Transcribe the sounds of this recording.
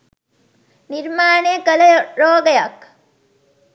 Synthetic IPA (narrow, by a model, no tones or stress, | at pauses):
niɾmaːnekəlɐɾoːɡɐjɐk